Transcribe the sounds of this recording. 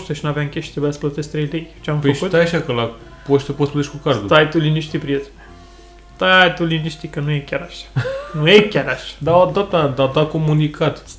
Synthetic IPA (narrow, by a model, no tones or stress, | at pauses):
ʃt̪eʃinaveamŋkʲeʃit̪ɾebujasplət̪est̪ɾejlejʲt͡ʃeamfpeəʃut̪t̪ajaʃakəla | poʃt̪eposəplət̪eʃʲkukasd̪ut̪ajt̪uliniʃt̪ipɾiet̪ | t̪ajt̪uliniʃt̪ikənujekʲaɾaʃḁnujekʲaɾaʃḁd̪aod̪at̪əd̪ad̪ako̞munikʰat̪